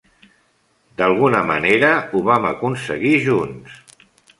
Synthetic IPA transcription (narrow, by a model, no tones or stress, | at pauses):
d̪alˠɣunəməneɾəuβamakunsəɣiʒuns